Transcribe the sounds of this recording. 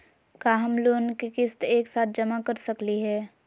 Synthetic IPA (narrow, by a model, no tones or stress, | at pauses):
kaːɦɐmloːnkikɪst̪eːksaːt̪̚ʰd͡ʒɐmakɐɾsɐkliɦɛː